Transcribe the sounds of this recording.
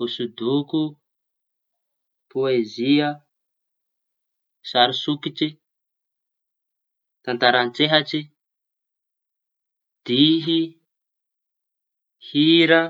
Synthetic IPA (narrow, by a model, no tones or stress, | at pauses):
usud̪uku | poeziə | saɾisukiʈ͡ʂi | t̪ant̪aɾant͡seɦaʈ͡ʂi | d̪̥iɦi | hiɾa